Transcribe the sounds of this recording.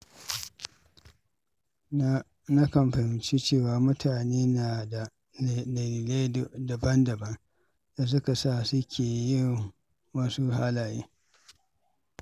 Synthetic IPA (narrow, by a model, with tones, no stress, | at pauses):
na˦kɐ˨mɸɐ˨ɪ˨nt͡ʃi˦t͡ʃeː˦˨waː˨mʊ˦tʰaː˨neː˦naː˨da˨ | lɐ˨liː˨le˦˨dɐ˨bɐ˦ndɐ˨bɐ˦ŋ | da˨s̬ʊ˦ka˨sa˦˨sʊ˦kʲʰeː˨jɪ˦˨ŋ | wɐ˦su˦ɦaː˦laː˨jḛː˦